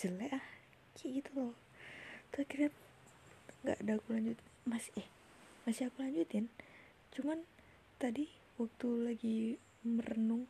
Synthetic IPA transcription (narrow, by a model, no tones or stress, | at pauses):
d͡ʒəlɛah | kʰiɡit̪ulɔ | t̪okiɾap̚ | ŋɡa̰ʔdaakulaɲd͡ʒut̪ | masɛh | masiakulaɲd͡ʒut̪ɪn | t͡ʃuman | t̪adi | wak̚t̪ulaɡi | mərənʊŋ